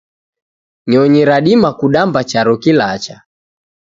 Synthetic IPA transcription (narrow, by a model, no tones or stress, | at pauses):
ɲɔɲiɾaɗimakuɗambat͡ʃaɾɔkilat͡ʃa